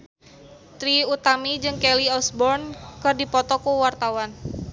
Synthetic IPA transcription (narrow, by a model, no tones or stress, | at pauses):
t̪ɾiut̪amid͡ʒɨŋkɛliɔsbɔrnkɨrdipɔt̪ɔkuwart̪awan